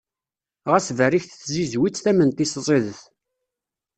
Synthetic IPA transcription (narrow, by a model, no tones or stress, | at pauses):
ʁæsvæɾiçθθzizwit͡sːθæmənt̪iszˤeðəθ